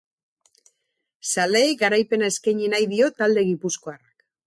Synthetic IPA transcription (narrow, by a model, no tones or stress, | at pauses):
saleːɡaɾajpe̞nae̞skajɲenajðio̞t̪ald̪e̞ɣipusko̞arak